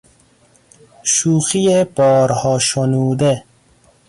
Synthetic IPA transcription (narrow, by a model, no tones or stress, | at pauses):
ʃuːxijepɔːɾhɔːʃonuːd̪e